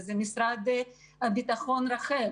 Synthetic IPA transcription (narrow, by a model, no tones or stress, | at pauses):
zɛmisɾad̪ | abit̪aχonɾaχɛ